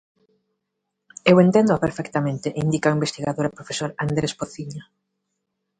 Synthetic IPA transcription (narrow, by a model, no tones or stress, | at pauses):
ewent̪ɛnd̪ʊapeɾfɛkt̪amẽnt̪eʔind̪ikaimbest̪iɣaðoɾapɾofesoɾand̪ɾespoθiɲa